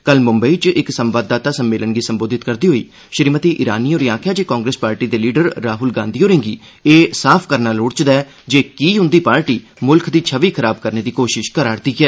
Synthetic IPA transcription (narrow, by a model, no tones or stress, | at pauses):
kəlmʊmbəiːt͡ʃɪksəmʋaːd̪ːaːt̪aːsəmːeːlənɡiːsəmboːd̪ɪt̪kəɾd̪iːɦoːḭː | ʃəɾimət̪iːʔɪɾa̰ːniːoːɾiaːkʰjaːd͡ʒeːkãːŋɡɾeːspaːɾʈiːd̪eːliːɖəɾːaːɦʊlɡãːnd̪iːoːɾɪ̃ŋɡiː | eːsaːpʰkəɾnaːloːɽt͡ʃd̪aɛː | d͡ʒeːkiːɦʊnd̪iːpaːɾʈiː | mʊlkʰd̪iːt͡ʃʰəʋiːkʰəɾaːb̚kəɾneːd̪iːkoːʃɪʃkəɾaːɾd̪iːkɛː